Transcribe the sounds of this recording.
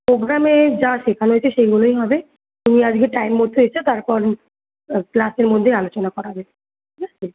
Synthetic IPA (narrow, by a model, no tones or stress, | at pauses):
pɾoɡɾamed͡ʑaʃekʰanɦoet͡ɕʰeʃeɡulojɦɔbe | t̪umiad͡ʑɡeʈajmːoɾt̪ʰːeɦoet͡ɕʰet̪aɾpɔɾ | klaseɾmod̪ʱːealot͡ɕonakɔɾaɦɔbe | ʈʰikʰat͡ɕʰe